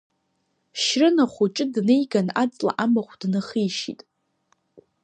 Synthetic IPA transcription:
ʃrɨnaχʷuʈ͡ʂʼɨdnejɡanat͡sʼla̰ʔamaχʷdnaχijʃḭtʼ

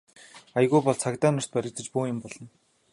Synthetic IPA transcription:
aj̆ɣujpɔɮt͡sʰakt̪aːnʊr̥t̪̚pæɾʲɪ̆k̚t͡s̪ə̆t͡ɕpuːjɪ̆mpɔɮɞ̆n

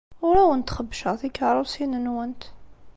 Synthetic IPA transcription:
ʊɾæwənt̪χəbːʃəθikːaɾˤusinənwənt̪

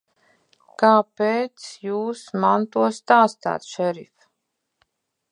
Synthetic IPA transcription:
kaːpɛːt̪sjuːsmant̪uɔst̪aːst̪a̰ːt̪ʃɛɾḭf

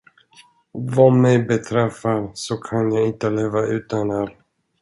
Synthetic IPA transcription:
vamɛjbɛt̪ʰɾɛfːaɾsɔkʰanjaɪnt̪əleːvaʔʉ̟ːt̪anæɾ

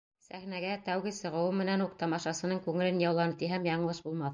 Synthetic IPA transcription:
sæχnæɡæt̪æwɡɘsɤ̆ʁɤ̆wɤmɘ̆nænuq̚t̪ɑmɑʃɑsɤ̆nɤɴŋkʉŋɘ̆lɘnjɑwlˠɑnɤpt̪iɦæmjɑɴlˠɤʃbulˠmɑθ

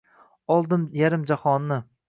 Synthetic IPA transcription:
ɒlˠd̪ɪmjaɾɪmd͡ʒahɒnːɪ

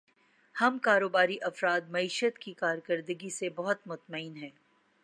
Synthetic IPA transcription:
hɐmkaːɾoːbaːɾiʔɐfɾaːt̪̚mɐiːʃət̪kikaːɾkəɾd̪əɡisebɐɦʊt̪mʊt̪məiːnɦɛː

